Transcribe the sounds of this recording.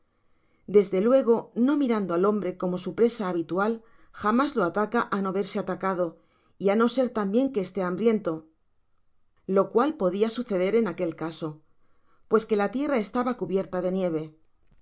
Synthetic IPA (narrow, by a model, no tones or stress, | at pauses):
d̪e̞zðe̞lwe̞ɣ̞o̞no̞miɾand̪o̞alo̞mbɾe̞ko̞mo̞supɾe̞saːβit̪ual | xamazlo̞at̪akaʔano̞aβe̞ɾse̞at̪akaðo̞ | iano̞se̞ɾt̪ambje̞ŋke̞ːst̪e̞ambɾje̞nt̪o̞ | lo̞kwalpo̞ðiasuθe̞ðe̞ɾe̞nake̞lkaso̞ | pwe̞ske̞lat̪je̞rae̞st̪aβakuβje̞ɾt̪aðe̞nje̞β̞e̞